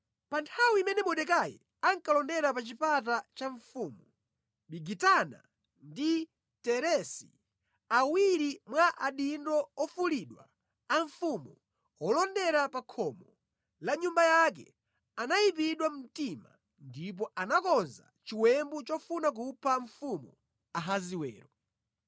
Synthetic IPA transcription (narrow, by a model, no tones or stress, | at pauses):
pantʰawiimɛnɛmɔɗɛkajɛ̰ | aŋkalɔndɛɾapat͡ʃipat̬at͡ʃaɱfuːmu | ɓiɡitana̰ | ndi | tɛɾɛsḭ | awiɾimwaʔaɗindɔɔfuliɗwa̰ː | ɱfumu | ɔlɔndɛɾapakʰɔmɔ | laɲumbajak̬ɛ̰ | anajip̬iɗwamm̩tima̰ | ndip̬ɔʔanakɔnza̰t͡ʃiwɛmbut͡ʃɔfunak̬upʰaɱfumu | aɦaziwɛ̰ːɾɔ